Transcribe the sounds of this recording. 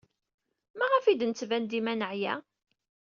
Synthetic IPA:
mæʁəfid̪nət͡sːvænd̪imænəʕjæ̰

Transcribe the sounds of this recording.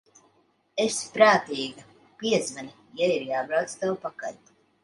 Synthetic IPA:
espɾaːt̪iːɡa | piɛzvani | jaiɾjaːbɾawt̪st̪awpaka̰ɾt̪

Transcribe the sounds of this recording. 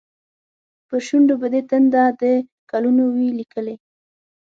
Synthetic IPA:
pəʃuɳɖobəd̪et̪ənd̪ad̪əkalunowilikəle

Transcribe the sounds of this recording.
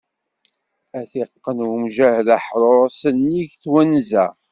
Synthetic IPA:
æθiqːənwmʒæhlaħɾˤoɾˤsənːiʝθwænzæ

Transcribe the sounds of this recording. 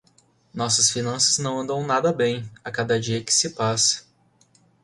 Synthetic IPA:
nɔsɐsfinɐ̃sɐznɐ̃w̃ɐ̃nd̪ɐ̃w̃nad̪ɐbẽj̃akad̪ɐd͡ʒiɐkɪ̥sɪpasɐ̥

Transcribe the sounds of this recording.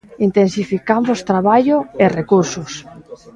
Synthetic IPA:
int̪ensifikambost̪ɾaβaʎʊerekuɾsʊs

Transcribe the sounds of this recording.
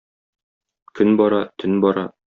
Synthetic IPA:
kʰɵnbɒɾɑt̪ʰɵnbɒɾɑ

